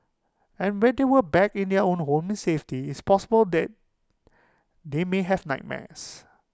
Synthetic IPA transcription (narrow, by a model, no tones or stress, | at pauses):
ɛ̃nwɛ̃ndewəbɛkĩndɛəõnhõmɛ̃nseftiɪspɔsəbəldɛt̚ | demeɦɛvnaɪt̚mɛ̰̃s